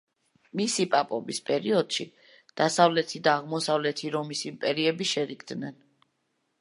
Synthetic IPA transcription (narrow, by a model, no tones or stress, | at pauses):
misipʼapʼɔbispʼɛɾiɔd̪̥ʃi | d̪̥asavlɛt̪ʰid̪aːʁmɔsavlɛt̪ʰiɾɔmisimpʼɛɾiɛbiʃɛɾikʰd̪nɛn